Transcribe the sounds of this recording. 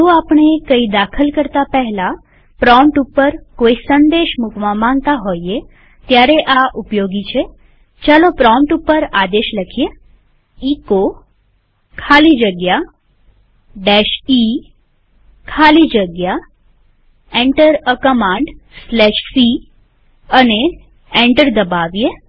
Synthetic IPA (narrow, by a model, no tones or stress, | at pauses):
toapɳ̃ekəid̪akʰəlkəɾt̪apɛɦla | pɾɔ̃mʈupːəɾkoisənd̪eʃmukʋãmãŋɡt̪aɦoie | t̪jaɾeʔaʔupjoɡit͡ʃʰe | t͡ʃalopɾɔ̃mʈupːəɾad̪eʃləkʰije | iko | kʰalid͡ʒəɡja | ɖɛʃi | kʰalid͡ʒəɡja | ẽɳʈəɾəkəmãɳɖslɛʃsi | əne | ẽɳʈəɾd̪əbaʋije